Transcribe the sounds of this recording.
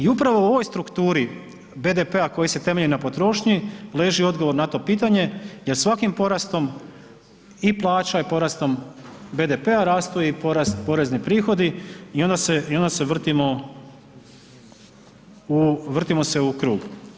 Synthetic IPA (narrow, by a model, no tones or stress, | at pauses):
iupɾaʋo̞uoʋo̞jst̪ɾukt̪uːɾi | be̞d̪e̞pe̞ako̞jise̞t̪e̞me̞ʎinapo̞t̪ɾo̞ːʃɲile̞ːʒio̞d̪ɡoʋo̞ɾnat̪o̞ːpiːt̪aɲe̞jesʋakimpo̞ɾast̪o̞m | iplˠaːt͡ʃaipo̞ɾast̪o̞mbe̞d̪e̞pe̞aɾaːst̪ojepo̞ɾast̪po̞ɾe̞znipɾiːxo̞d̪iio̞nd̪aseio̞nd̪ase̞ʋr̩t̪imo | uʋr̩t̪imo̞se̞ukɾuːɡ